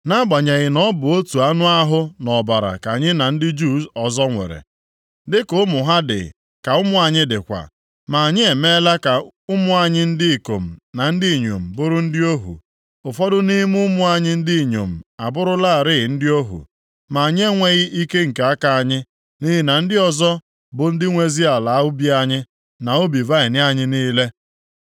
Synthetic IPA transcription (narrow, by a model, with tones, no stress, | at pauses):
na˦ɡ͡ba˨ɲa˨ɣɪ˨nɔ˦bʊ˨o˦tu˨a˦nʊ˦a˦ɦʊ˦nɔ˨ba˨ɾa̰˨ka˨ɲɪ˦na˨n̩˦dɪ˦d͡ʒu˦sɔ˨zɔ˦ŋʷḛ˨ɾḛ˨ | dɪ˦kʊ˦mʊ˨ɦa˦dɪ̰˨ | ka˨ʊ˦mʊ˦a˨ɲɪ˦dɪ˨kʷa̰˨ | ma˨ɲɪ˦e˨me˦la˦ka˨ | ʊ˦mʊ˦a˨ɲɪ˦n̩˦dɪ˦i˨ko̰˨m̩˨na˨n̩˦di˦i˨ɲo̰˨m̩˨bʊ˦ɾʊ˦n̩˦dɪ˦o˦ɦṵ˨ | ʊ˨fɔ˦dʊ˦ni˦m˦ʊ˦mʊ˦a˨ɲɪ˦n̩˦di˦˨ɲo̰˨m̩˨a˨bʊ˦ɾʊ˦la˦a˨ɾɪ˦ɪ˨n̩˦dɪ˦o˦ɦṵ˨ | ma˨a˨ɲ˦e˦ŋʷe˦ɣɪ˦ʔi˦ke˦ŋ̩˨ke˨a˦ka˨a˨ɲɪ˦ | ni˦ɦi˦na˨n̩˦dɪ˦ɔ˦zɔ˦ | bʊ˨n̩˦dɪ˦ŋʷe˨zi˦a˨la˨a˦ʊ˦bi˦a˦ɲɪ˦ | na˨o˦bi˨va˦ɪ˨nɪ˦a˦ɲɪ˦niː˦le˦